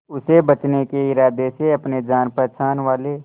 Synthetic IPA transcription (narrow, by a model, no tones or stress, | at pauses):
ʊsebɐt͡ʃnekeɪɾaːd̪eseɐpned͡ʒaːnpəɾt͡ʃʰaːnʋaːle